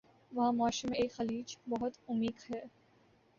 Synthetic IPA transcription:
ʋɐɦãmɔːʃimẽeːkxɐliːd͡ʒbɐɦʊt̪ʊmiːkhɛː

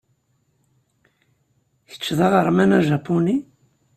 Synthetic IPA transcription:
çə̥t͡ʃːðˤɑʁəɾˤmænæʒapːuni

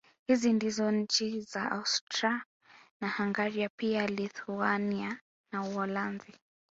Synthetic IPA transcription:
hizindizɔɲ̩t͡ʃizaʔa̰ustɾa | nahaŋɡaɾiapialiθuania | nauɔlanzi

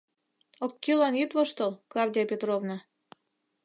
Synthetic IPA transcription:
okʲːilɑnit̪βoʃt̪ɤlˠklˠɑvdʲiapʲet̪rovnɑ

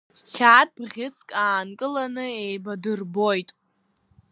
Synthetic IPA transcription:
tʲʰaːt̚ʼbʁʲɪt͡sʰkʼaːnkʼɨlanɨejbadɨrbo̞jtʼ

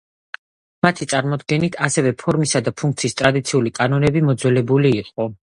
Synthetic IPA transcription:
mat̪ʰit̪sʼaɾmɔd̪ɡɛnit̪ʰasɛvɛpʰɔɾmisad̪apʰuŋk̚t̪sʰist̪ʼɾad̪it̪sʰiulikʼanɔnɛbimɔd̪zwɛlɛbuliːqʼɔ

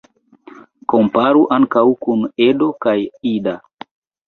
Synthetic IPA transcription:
kompaɾuʔaŋkawkunedo̞kajida

